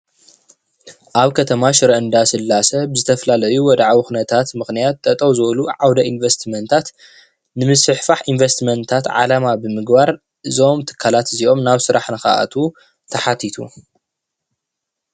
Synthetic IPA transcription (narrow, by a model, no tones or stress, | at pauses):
ʔaβkʰɐt̪ʰɐmaʃɨɾɐʔɨnd̪asɨlːasɐbɨzɨt̪ʰɐfɐlalɐjuwɔd̪aʕwixunɐt̪ʰat̪mɨxnijat̪ːʼɐt̪ʼɐwzɨβɐluʕawd̪ɐʔinvest̪mɐnt̪ʰat̪ | nɨmɨsɨħfaħinvest̪mɐnt̪ʰat̪ʕa̰lamabɨmɨɡbaɾ | ɨzo̞mt̪ʰɨ̥kʰːalat̪ɨzio̞mnaβsɨɾaħnɨxa̰ʔa̰t̪ʰu | t̪ʰɐħat̪ʰit̪ʰṵ